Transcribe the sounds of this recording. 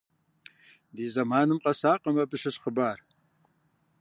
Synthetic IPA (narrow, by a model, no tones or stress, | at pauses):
diːzɐmaːnɨmqʼɐsaːqʼɐmɐbɨʂɐʂχəbaːr